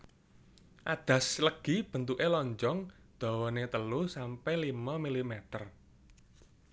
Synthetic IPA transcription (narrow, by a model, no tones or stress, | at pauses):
ʔad̪̥ä̤sləɡ̥i̤b̥ə̤nt̪uʔelɔɲd͡ʒɔŋ | d̪̥ɔ̤wɔnet̪əlusampɛlimamilimɛt̪ər